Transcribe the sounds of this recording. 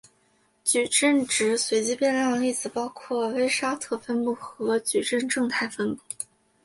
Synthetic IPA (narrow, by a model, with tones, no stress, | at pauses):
t͡ɕy˨˩ʈ͡ʂə˥˩nʈ͡ʂɻ̩˧˥swe˧˥ɪt͡ɕi˥pjɛ˥˧nljɑ˥˧ŋi˥˩t͡sɹ̩˨˩pɑ˥ʊkʰwɔ˥˩we˥ɪʂa˥t̪ʰɤ˥˩fə˥npu˥˩xɤ˧˥t͡ɕy˨˩ʈ͡ʂə˥˧nʈ͡ʂɤ˥˧ŋt̪ʰa˥˩ɪfə˥npu˥˩